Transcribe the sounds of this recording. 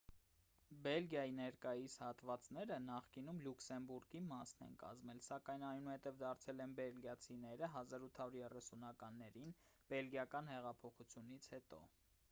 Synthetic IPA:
bɛlɡjɑjinɛɾkɑjishɑt̪vɑt͡snɛɾənɑχkinumluksɛmbuɾɡimɑsnɛ̰nkɑ̰zmɛlsɑkɑjnɑjnuhɛt̪ɛvd̪ɑɾt͡sʰɛlɛnbɛlɡjɑt͡sʰinɛɾəɦɑzɑɾut̪ʰɑuɾjɛrɛsunɑkɑnːɛɾinb̥ɛlɡjɑkɑnhɛʁɑpʰɔχut͡sʰjun̪it͡sʰhɛt̪ɔ̰

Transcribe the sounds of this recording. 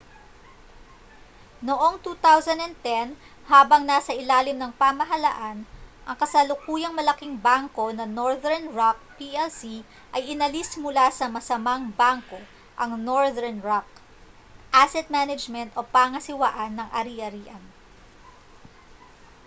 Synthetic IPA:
noʔo̞ŋt̪uːt̪awsɐnd̪ɐn̚t̪ɛn | haːbɐŋnaːsɐʔɪlaːlɪmnɐŋpaːmɐɦɐlaʔanʔɐŋkɐsɐlʊkuːjɐŋmɐlɐkiŋbaŋko̞nɐnoɹðɛɹnɹak̚piʔɛlsi | ʔɐjɪnɐlismʊlasɐmɐsɐmaŋbaŋko̞ | ʔɐŋnoɹðɛɹnɹak̚ | ʔasɛt̪̚manɐd͡ʒmɛnt̪ʔopaŋɐsɪwaʔɐnːɐŋʔɐ̰ɾiʔɐɾiːʔɐn

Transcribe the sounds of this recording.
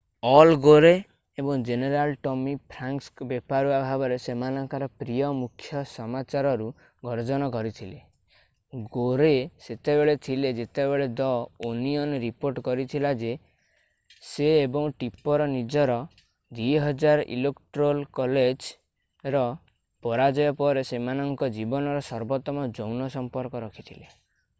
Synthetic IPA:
ɔlɡoɾe | ebɔŋd͡ʒeneɾalʈɔmipʰɾaŋkskbepaɾuabʱabɔɾesemanɔŋkaɾɔpɾijɔmukʰːjɔsɔmat͡ʃaɾɔɾu | ɡʱɔɾd͡ʒɔnɔkɔɾit̪ʰile | ɡoɾeset̪ebeɭet̪ʰiled͡ʒet̪ebeɭed̪ɔoniɔnɾipoɾʈkɔɾit̪ʰilad͡ʒe | seːbɔŋʈipɔɾɔnid͡ʒɔɾɔ | d̪iɦɔd͡ʒaɾḭlekʈɾolkɔled͡ʒ | ɾɔ | pɔɾad͡ʒɔjɔpɔɾesemanɔŋkɔd͡ʒibɔnɔɾɔsɔɾbɔt̪ɔmɔd͡ʒɔwnɔsɔmpɔɾkɔɾɔkʰit̪ʰile

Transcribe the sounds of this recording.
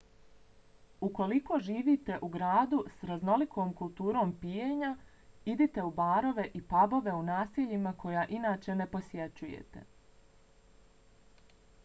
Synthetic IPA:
uko̞liko̞ʒiːʋiːt̪e̞ʔuɡɾaːd̪usɾazno̞likʰoːmkulˠt̪uːɾo̞ːmpijeɲa | id̪it̪e̞ubaːɾo̞ʋe̞ʔipabo̞ʋe̞unaːsiʎimakʰo̞jaːʔinaːt͡ʃe̞ne̞po̞sje̞t͡ɕujḛt̪e̞̰

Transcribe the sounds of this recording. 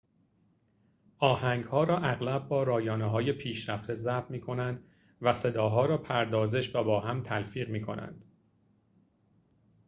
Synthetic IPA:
ʔɒːhæŋɡhɒːɾɒːʔæɣlæbːɒːɾɒːjɒːneɦɒːje̞pʰiːʃɾæft̪ʰe̞zæfmiːkʰo̞nænd̪ | væse̞d̪ɒːɦɒːɾɒːpʰæɾd̪ɒːzeʃvæbɒːɦæmt̪ʰælfiːʁmiːkʰo̞̰nʔæ̰nd̪̥

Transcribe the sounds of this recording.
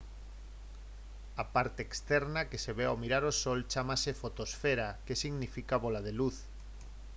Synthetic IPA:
apaɾt̪eːkst̪ɛɾnakeseβeawmiɾaɾosolt͡ʃamasefot̪osfeɾakesiɣnifikaβolað̞eluθ

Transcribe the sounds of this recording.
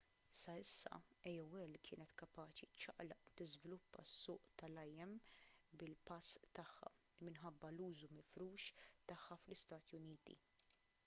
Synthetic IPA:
sɐɪsːɐ̰ɛjɔwɛlkʰɪːnɛt̪kɐpɐːt͡ʃit͡ʃːɐ̰ʔlɐʔut̪ɪzvɪlʊpːɐ̰sːʊːʔt̪ɐlɐjɛmbɪlpɐst̪ɐħːɐ̰ | mɪnħɐbːɐluːzumɪfɾuːʃt̪ɐħːɐflɪst̪ɐːt̪ijʊniːt̪ḭ

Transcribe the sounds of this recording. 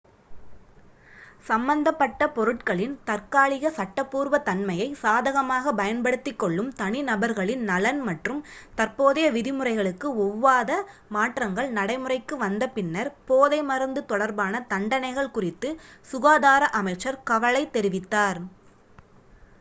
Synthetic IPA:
sɐmbɐnd̪ɐpːɐʈːɐpɔɾɯʈkɐɭɪnt̪ɐrkaːɭɪɣɐsɐʈːɐpːuːɾʋɐt̪ɐnmɐjɐɪsaːðɐɣɐmaːɣɐbɐjɐnpɐɽɯt̪ːɪkːɔɭːɯmt̪ɐɳɪnɐbɐɾɣɐɭɪnnɐlɐnmɐʈrɯmt̪ɐɾpoːðɐjɐʋɪðɪmɯrɐɪɣɐɭɯkːɯɔʋːaːðɐ | maːʈrɐŋɡɐɭnɐɽɐɪmɯrɐɪkːɯʋɐnd̪ɐpɪnːɐɾpoːðɐɪmɐɾɯnd̪ɯt̪ɔɽɐɾbaːnɐt̪ɐɳɖɐnɐɪɣɐɭkʊrɪt̪ːɯsʊɣaːðaːɾɐʔɐmɐɪt͡ʃːɐɾkɐʋɐɭɐɪt̪ːɛɾɪʋɪt̪ːaːɾ

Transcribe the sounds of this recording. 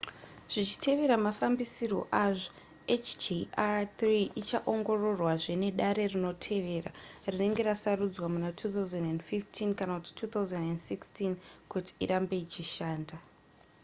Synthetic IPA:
ʐ̥it͡ʃi̥tʰe̞ʋe̞ɾamafambisiro̞̰ʔaʐo̞ | et͡ʃd͡ʒiat̪riʔit͡ʃaʔo̞ŋɡo̞ro̞rwaʐe̞ne̞ɗaɾe̞rino̞tʰe̞ʋe̞ra̰rine̞ŋɡe̞ɾasarud͡zwamunatʰuːt̪auzendendfiftʰinkanakuti̥tʰuːt̪auzendendsikstinkuti̥ḭɾambe̞it͡ʃiʃaːnda

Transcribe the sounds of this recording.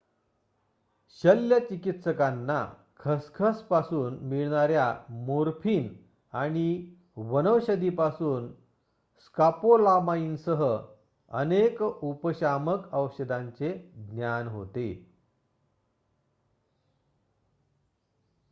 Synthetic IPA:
ɕəljət͡ɕikit̪səkanːa̰ | kʰəskʰəspasuːnmiɭɳ̃aɾjamoɾpʰiːn | aɽ̃i | ʋənəʋɕəd̪ipasuːn | skapolamainsəɦə | ənekupəɕaməkəʋɕəd̪aɲt͡seɡnjanɦo̰t̪e

